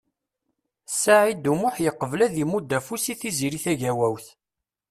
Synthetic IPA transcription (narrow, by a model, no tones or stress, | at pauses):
saʕid̪umʊħjəqːəvlæðimud̪ːæfusiθiziɾiθæʝæwæwθ